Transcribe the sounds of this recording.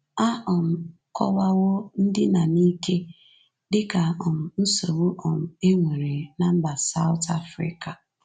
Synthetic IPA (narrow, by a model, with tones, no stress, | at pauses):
a˦ʔɔ˨m̩˨ | kɔ̰˦la˦ɣʊ˦n̩˦dɪ˦na˨ni˦ke˦ | dɪ˦ka˨ɔ˨m̩˨n̩˦so˨wo˦ʔɔ˨m̩˨e˦ŋʷe˨ɾe˨na˨m̩˦ba˨sa˦ʊ˦ta̰˦fɾɪ̰˦˨ka˨